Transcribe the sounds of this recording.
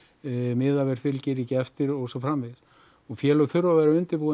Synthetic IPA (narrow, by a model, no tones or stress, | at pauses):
mɪðavɛɾ̥θɪlcɪɾicɪɛft̪ɪɾɔɣsɔfɾamvɪs | ɔɣfjɛːlœɣθʏɾvavaɾaʏnt̪ɪɾpuːð